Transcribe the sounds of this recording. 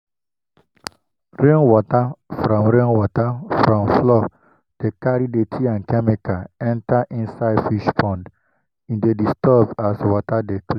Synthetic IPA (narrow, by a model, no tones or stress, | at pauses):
ɹẽnwɔtafɹɔ̃mɹẽnwɔtafɹɔ̃mflɔ | d̥ekaɹidetʰiãnkɛmikaɛ̃ntaʔĩnsaɪdfiʃpɔ̃nd | ĩndedistɔbaswɔtadeklĩ